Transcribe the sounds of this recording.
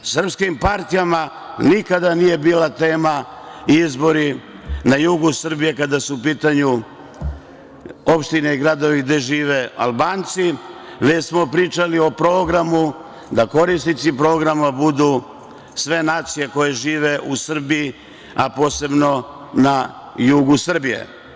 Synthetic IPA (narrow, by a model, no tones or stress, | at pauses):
sr̩pskimpaɾt̪ijama | nikad̪anije̞biːlat̪e̞ːma | izbo̞ɾi | najuɡusr̩bije̞kad̪asuupiːt̪aɲu | o̞pʃt̪ineiɡɾad̪o̞ʋiɡd̪e̞ʒiːʋe̞a̰lˠbaːnt̪si | ʋet͡ɕsmo̞pɾiːt͡ʃalio̞pɾo̞ːɡɾamu | d̪ako̞ɾist̪it̪sipɾo̞ːɡɾamabud̪u | sʋe̞naːt̪sije̞ko̞je̞ʒiːʋe̞ʔusr̩biji | apo̞ːse̞bno̞ | na | juɡusr̩bijḛ